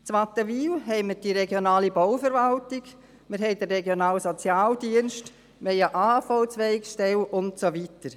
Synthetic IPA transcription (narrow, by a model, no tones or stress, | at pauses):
t͡sʋatəviːlɦɛɪməd̥iɾɛɡjonaːlibɔʊfəɾʋaltɪɡ | mɪɾɦɛɪdərːɛɡjonaːlsot͡sjaːldiənʃt | meɪjaʔaːhafɔʊt͡sʋɛɪkʃtɛlʔʊntsovitəɾ